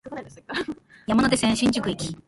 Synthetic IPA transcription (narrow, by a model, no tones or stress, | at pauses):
jamanot̪e̞sẽɰ̃ɕĩɲ̟d͡ʑikɯ̟ikʲi